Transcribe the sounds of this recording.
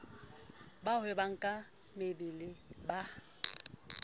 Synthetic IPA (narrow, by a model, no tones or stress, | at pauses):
bahʊɛbaŋ̩kʼa | mɪbɪlɪba